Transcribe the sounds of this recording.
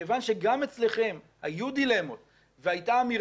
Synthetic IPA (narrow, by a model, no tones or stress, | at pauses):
vanʃe̞ɡamet͡sle̞χe̞m | hajud̪ile̞mot | veajtaːmi